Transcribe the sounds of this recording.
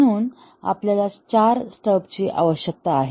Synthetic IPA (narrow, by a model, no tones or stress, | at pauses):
ɽ̃uːn | a̰pljalat͡ɕaɾsʈəpt͡ɕiːʔa̰ʋəɕjək̚t̪aːɦe